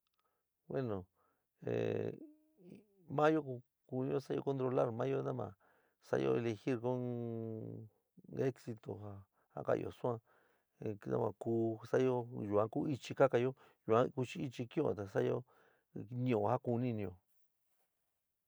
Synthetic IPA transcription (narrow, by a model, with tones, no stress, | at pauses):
we˦nõ˨ | ḛ˨ | mã˦jo˦ku˧ | ku˧nĩ˧˦o˦sa˦jo̰˧ko˧nt̪ɾo˧la˦˨ɾmãː˦jo˦nã˦mã̰˨ | sa̰˦jo̰˧e˧le˧xi˦ɾko˦n | e˦ksi˧t̪o˨ha˧ | ha̰˦ka̰˧˨jo̰˨sũ˦ã˦˧˨ | nã̰˦mã̰˨kuː˧sa˦jo˦ju˨ã˧˦ku˦i˧t͡ʃi˧ka˦ka˧jo˦ | ju˨ã˦ku˧t͡ʃi˦i˧t͡ʃi˧kj̃õ̰˦˧˨t̪a˨sa˦jo˦ | nĩ˧õ˧˨ha˦ku˧nĩ˦˧nĩ˧jo˧